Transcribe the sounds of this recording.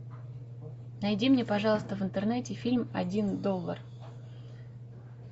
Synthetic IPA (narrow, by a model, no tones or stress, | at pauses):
nɐjdʲimnʲepɐʐɑlˠəst̪əvɨnt̪ɨrnɛtʲɪfʲilʲmɐ̰dʲind̪olˠːə̰r